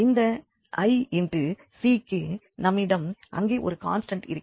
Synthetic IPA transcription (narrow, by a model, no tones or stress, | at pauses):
ɪnd̪ɐ | ʔɐɪɛndrɯ | siːkːɯ | nɐmːɪɽɐmʔɐ̰ŋɡeːʔɔɾɯka̰ːnsʈɐɳʈɪ̰ɾɯkː